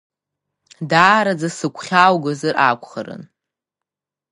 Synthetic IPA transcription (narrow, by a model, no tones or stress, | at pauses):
daːɾad͡zasɨkʷʰʼχʲawɡazɨrʔa̰kʷʰʼχa̰ɾɨ̰n